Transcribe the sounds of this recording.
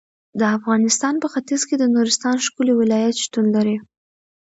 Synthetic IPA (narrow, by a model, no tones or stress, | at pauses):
d̪əafɣɑnɪst̪ɑnpəxat̪izked̪ənuɾɪst̪ɑnʃkuliwɪlɑjat̪ʃt̪unlaɾi